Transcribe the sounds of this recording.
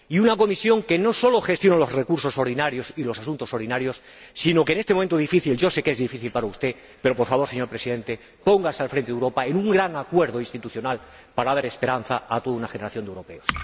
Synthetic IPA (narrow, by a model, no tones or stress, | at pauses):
iunako̞misjo̞ŋke̞no̞so̞lo̞xe̞st̪jo̞nalo̞zrekuɾso̞so̞ɾðinaɾjosilo̞sas̬unt̪o̞so̞ɾðinaɾjo̞sː | ino̞kenet̪emoment̪oifiθilʝo̞se̞ke̞zðifiθilpaɾaust̪e̞ | pe̞ɾo̞po̞ɾfaβo̞ɾseɲo̞ɾpɾe̞siðe̞nt̪e | po̞ŋɡasalfɾẽnt̪eewɾo̞paenũŋɡɾaŋakwe̞ɾðoinst̪it̪uθjo̞nal | paɾaðaɾe̞spe̞ɾanθaːt̪oðunaxeneɾaθjond̪ewɾo̞pe̞os